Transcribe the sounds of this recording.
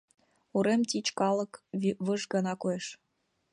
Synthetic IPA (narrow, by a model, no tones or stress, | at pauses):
uɾemt̪ʲit͡ɕkɑlɤ̆kβɤʒɡɤnɑkojeʃ